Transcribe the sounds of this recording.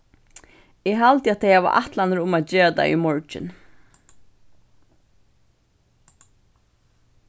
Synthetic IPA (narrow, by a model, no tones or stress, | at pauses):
ɛɦalt̪ɪat̪ʰejhaʋa̰ʔa̰ht̪lanəɾʊmat̪̚d͡ʒeːat̪a̰jḭmɔɹt͡ʃɪ̰n